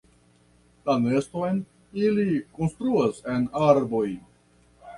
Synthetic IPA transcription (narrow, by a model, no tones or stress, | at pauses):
tane̞sto̞jn | iliko̞nst̪ɾuase̞naɾbo̞j